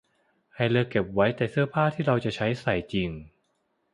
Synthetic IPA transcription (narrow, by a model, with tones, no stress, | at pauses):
ha˧jlɯː˧ke˨˩p̚wa˦˥jt̪ɛː˨˩sɯ˥˩əpʰaː˥˩t̪ʰiː˥˩ɾa˧wt͡ɕa˨˩t͡ɕʰa˦˥jsa˨˩jt͡ɕi˧ŋ